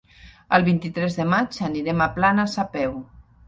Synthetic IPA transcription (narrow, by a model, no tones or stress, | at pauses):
əlˠβint̪it̪ɾɛzðəmad͡ʒaniɾɛmaplanasapɛw